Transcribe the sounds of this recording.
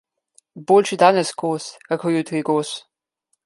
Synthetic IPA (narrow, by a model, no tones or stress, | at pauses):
boːlʃid̪aːnɛsɡoːskakɔɾjut̪ɾiɡoːs